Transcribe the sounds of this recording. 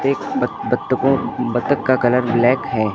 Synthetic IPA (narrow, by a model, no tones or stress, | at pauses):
eːkɐt̪ːkõbɐt̪ːəkːakɐləɾblɛːkɦɛː